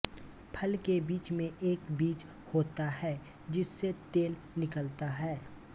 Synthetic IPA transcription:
pʰɐlkebiːt͡ʃmẽʔeːkbiːt͡ʃ | hoːt̪aɦɛː | d͡ʒɪsːet̪eːl | nɪkəlt̪aɦɛː

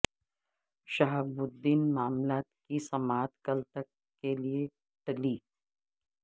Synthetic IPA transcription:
ʃaɦbʊd̪ːiːnmaːmlaːt̪kisɐmaːt̪kɐlt̪ɐkː | elie | ʈɐliː

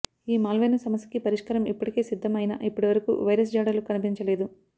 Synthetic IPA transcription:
iːmaːlʋeːnɐsɐmɐsɐ̥kipɐɾiʂkɐɾɐmipːuɽikeːsid̪ʱːɐmɐjnɐ̰ʔipːuɽiʋɐɾɐkṵʋɐjɾɐs̬d͡ʒaːɽɐlukɐnipiɲt͡ʃɐle̞ːd̪u

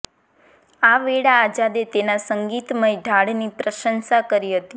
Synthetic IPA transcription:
aʋeɽaːd͡ʒad̪et̪enasəŋɡit̪məjd̪ʱaɽnipɾəʃənsakəɾiɦət̪i

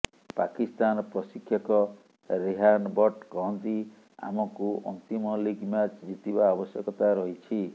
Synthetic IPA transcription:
pakist̪anɔpɾɔsikʰjɔkɔ | ɾeɦanbɔʈkɔɦɔnt̪i | a̰mɔkuʔɔ̰nt̪imɔliɡmat͡ʃd͡ʒit̪ibaːbɔsjɔkɔt̪aɾɔɦit͡ʃʰi

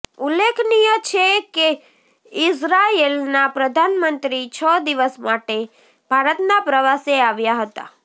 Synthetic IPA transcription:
ulːekʰnijət͡ʃʰeke | ɪsɾaelnapɾəd̪ʱanmənt̪ɾit͡ʃʰəd̪iʋəsmaʈe | bʱaɾət̪napɾəʋaseaʋjaɦət̪a̰

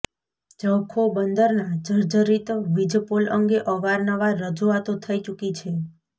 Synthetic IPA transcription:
d͡ʒəwkʰobənd̪əɾnad͡ʒəɾd͡ʒəɾit̪ʋid͡ʒpoləŋɡeʔəʋaɾnəʋaɾəd͡ʒuat̪ot̪ʰəit͡ʃukit͡ʃʰe

